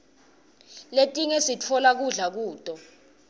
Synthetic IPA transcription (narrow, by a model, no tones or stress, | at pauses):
letʼiŋesit͡fʰɔlak̬uɮak̬uːtʼɔ